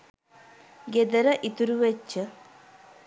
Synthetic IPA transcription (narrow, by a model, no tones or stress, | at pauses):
ɡed̪ɐɾɐʔit̪uɾuʋet͡ʃːɐ